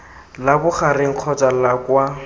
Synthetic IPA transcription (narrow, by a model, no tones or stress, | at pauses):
labʊχarɪŋ̩q͡χʰɔt͡sʼalakwa